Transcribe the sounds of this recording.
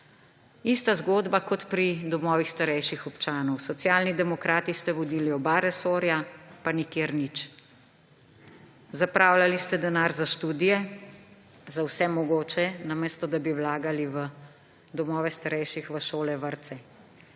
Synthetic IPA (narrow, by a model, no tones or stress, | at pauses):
ist̪azɡoːd̪bakɔt̪pɾid̪ɔmɔːʋixst̪aɾɛjʃixɔpt͡ʃaːnɔwsɔt̪sjalnid̪ɛmɔkɾaːt̪ist̪ɛʋɔd̪iːliɔbaɾɛsoːɾjapanikeɾnit͡ʃ | zapɾaːwlalist̪ɛd̪ɛnaːɾzaʃt̪uːd̪ijɛ | zawsɛmɔɡoːt͡ʃɛnameːst̪ɔd̪abiwlaːɡaliʋə | d̪ɔmɔːʋɛst̪aɾɛjʃixʋəʃoːlɛʋəɾt̪sɛ